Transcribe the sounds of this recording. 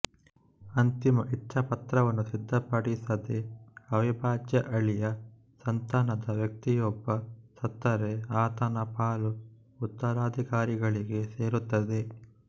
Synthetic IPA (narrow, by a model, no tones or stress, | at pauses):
ɐnt̪imɐʔit͡ʃt͡ʃʰːɐpɐt̪ɾɐʋɐnːusid̪ʱːɐpɐɽisɐd̪eɐʋibʱaːd͡ʒjɐʔɐɭijɐ | sɐnt̪aːnɐd̪ɐʋjɐk̚t̪ijobːɐsɐt̪ːɐɾeaːt̪ɐnɐpaːlu | ut̪ːɐɾaːd̪ʱikaːɾiɡɐɭiɡe̞se̞ːɾut̪ːɐd̪e̞